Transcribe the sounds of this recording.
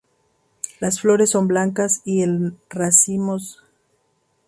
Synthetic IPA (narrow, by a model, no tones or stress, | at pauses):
lasflo̞ɾesːo̞mblaŋkasielrasimos